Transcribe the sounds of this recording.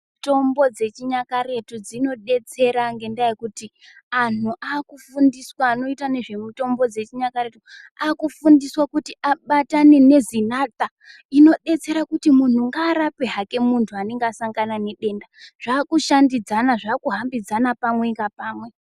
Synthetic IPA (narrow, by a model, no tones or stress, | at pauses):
to̞mbo̞d͡ze̞t͡ʃiɲakare̞tud͡zino̞ɗe̞t͡se̞ɾaŋɡe̞ndajekuti | an̤uʔakufundiswaːno̞itane̞ʐe̞muto̞mbo̞d͡ze̞t͡ʃiɲakaɾe̞tu | akufundiswakutiʔaɓatane̞ne̞zinat̪a | ino̞ɗe̞t͡se̞ɾakutimun̤uŋɡaːɾape̞ɦake̞muntʰuane̞ŋɡeːsaŋɡanane̞ɗe̞ːndaʐ̥aːkuʃandid͡zanaʐaːkuɦambid͡zanapamwe̞ŋɡapaːmwe̞